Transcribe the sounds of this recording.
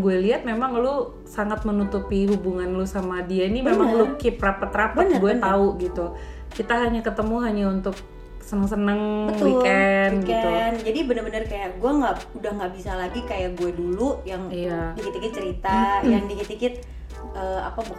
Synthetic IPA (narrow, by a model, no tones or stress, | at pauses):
ɡuɛliɦat̪̚memaŋlu | saŋat̪̚mənut̪upiɦubuŋanlusamadiainimemaŋlukɪp̚rapat̪ɾapatɡuɛt̪auɡit̪u | kit̪aɦalɲakət̪əmuɦaɲaunt̪ʊk̚ | sənəŋs̬ənəŋbət̪wikɛnkiɛt̪nd͡ʒadibənərbənərkajaʔɡuɛŋɡaʔudahŋɡaʔbisalaɡikajaʔɡuɛdulujaŋijadikit̪ikɪt̪̚t͡ʃəɾit̪ajaŋdikit̪ikɪt̪̚ | əːa̰pab